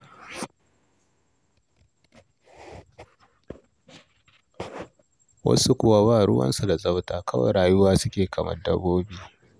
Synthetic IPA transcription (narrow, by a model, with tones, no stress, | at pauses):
wɐ̰˦su˦kʷʊ˦wa˦baː˦˨ɽʊ˦wɐ̰˦nsu˨da˨zʼɐ˦wtaː˨kɐ˦wɐ̰˨ɽaː˨jʊ˦waː˦sʊ˦kʲeː˨kʰɐ˨mɐ̰˦rdɐ˦boː˦biː˨